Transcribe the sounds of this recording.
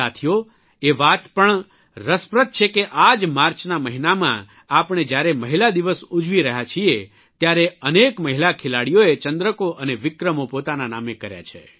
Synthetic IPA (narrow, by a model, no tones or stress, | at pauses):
at̪ʰijo | eʋat̪pəɳ | ɾəspɾət̪̚t͡ʃʰekeʔad͡ʒmaɾt͡ʃnaməɦinamã̰ | apɳ̃ed͡ʒjaɾeməɦilad̪iʋəsud͡ʒʋiɾəɦjat͡ʃʰie | t̪jaɾeənekməɦilakʰelaɽijoet͡ʃənd̪ɾəkoʔəneʋɪkɾəmopot̪ananamekəɾja̰t͡ʃʰḛ